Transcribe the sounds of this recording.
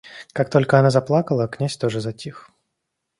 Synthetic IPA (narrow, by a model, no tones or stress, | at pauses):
kak̚t̪o̞lʲkəɐnazɐplˠakəlˠəknʲasʲt̪oʐɨzɐtʲix